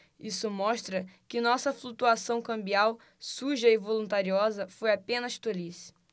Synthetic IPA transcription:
isʊmɔʃt̪ɾɐkɪnɔsɐflut̪uasɐ̃w̃kɐ̃mbiaw | suʒɐɪvolũt̪aɾiɔzɐfojapẽnɐʃt̪olis

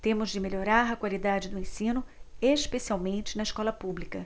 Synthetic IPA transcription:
t̪ẽmʊzd͡ʒɪmeʎoɾaɾɐkwalid̪ad͡ʒɪd̪ʊẽsĩnʊeʃpesiawmẽnt͡ʃɪnɐɪʃkɔlɐpublikɐ

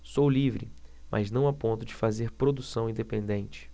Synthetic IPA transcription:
sowlivɾɪmʔa̰znɐ̃w̃apõnt̪ʊd͡ʒɪfazeɾpɾod̪usɐ̃w̃ĩnd̪epẽnd̪ẽnt͡ʃɪ̥

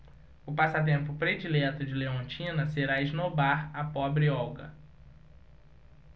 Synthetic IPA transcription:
ʊpasat̪̬ẽmpʊpɾed͡ʒilɛt̪ʊd͡ʒɪleõnt͡ʃĩnɐseɾaiʒnobaɾɐpɔbɾɪɔwɡɐ̰

